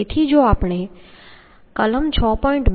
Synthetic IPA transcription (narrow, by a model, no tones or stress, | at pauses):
et̪ʰid͡ʑoːaːpɽ̃e | kɐləmt͡ɕʰɔːpɔːɪ̃ɳʈb